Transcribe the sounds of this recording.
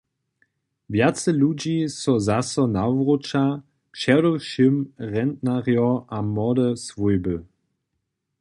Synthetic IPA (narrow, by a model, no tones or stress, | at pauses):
vjat͡səlud͡ʑisɔzasɔnawʁot͡ʃa | kʃɛɾɔʃimʁɛndnaʁjɔamɔdəsvujbə